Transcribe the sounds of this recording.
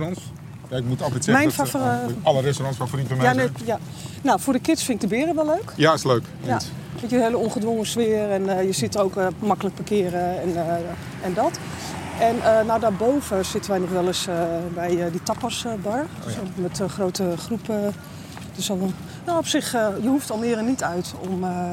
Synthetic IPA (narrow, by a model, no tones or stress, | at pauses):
n | jaɪk̚mutɔlˠtɛtsɛmɛjfɑlərɛstorɑnsfaforitəmja | nawfʊːɹdəkɪtsfɪnɪk̚dəbɪːɾəʋɛlːøɥkjaɪsløːk | ja | ʋejkəɦejləɔnχədʋɔŋəsʋɪərɛnjəsɪtərowkəmɑkələk̚pakɪːɾəɛn | ɛndɔt | ɛnənadaːɹbowvəsɪtənʋɛjnɔχʋɛlˠɪsbɛjdətɑpasbaɹ | omɛtχrowtəχrupə | d̥əsɔlˠ | noɔpsɪxjəhuftɔlˠmɪːɾɛnitœɥtɔm